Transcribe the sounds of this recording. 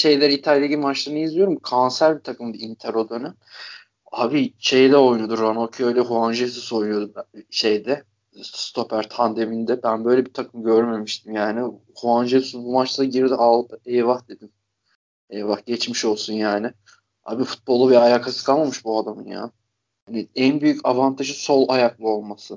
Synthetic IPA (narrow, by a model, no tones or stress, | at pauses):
ʃe̞jlʲæɾit̪ʰalʲjaɟimat͡ʃlˠanɯjɯzlʲijo̞ɾumkʰansæɾbit̪ʰakʰɯmbiint̪ʰɛɾo̞d̪ønɛ | aːbiʃe̞jɛd̪ɛo̞jnud̪uɾanocʰiøjlʲɛɦuand͡ʒelt̪ʰuso̞jnujod̪uʃe̞jd̪ɛ | st̪ʰo̞pʰæɾt̪ʰand̪e̞mind̪ɛbænbø̞jlʲebit̪ʰakʰɯmɟø̞ɾme̞miʃt̪ʰimjaːnɪ | huanʒelʲisbumat͡ʃlˠaɟiɾd̪iʔalˠb̪ejvaxd̪̥e̞d̪im | ejvaxɟɛt͡ʃmiʃo̞lˠsunjaːnɪ | ha̰ːbifu̥t̪̚bo̞lˠːuvɛajaːkʰasɯkʰalˠmamɯʃbuad̪amɯnja̰ː | hanɪænbyjycavant̪ʰaʒɯso̞lˠajaklˠɯo̞lˠmasɯ